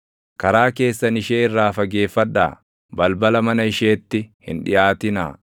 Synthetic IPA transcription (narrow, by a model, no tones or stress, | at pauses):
kɐɾaːke̞ːsːɐnɪʃeːɪrːaːfɐɡe̞ːfːɐᶑːa̰ː | bɐlbɐlɐmɐnɐɪʃeːt̪ːɪhɪ̰nᶑɪ̰jaːt̪ɪna̰ː